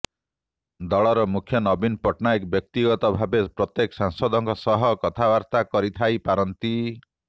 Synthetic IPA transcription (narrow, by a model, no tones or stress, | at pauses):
d̪ɔɭɔɾɔmukʰjɔnɔbinpɔʈnajkbjɔk̚t̪iɡɔt̪ɔbʱabepɾɔt̪jekɔsaŋsɔd̪ɔŋkɔsɔɦɔkɔt̪ʰabaɾt̪akɔɾit̪ʰajpaɾɔnt̪i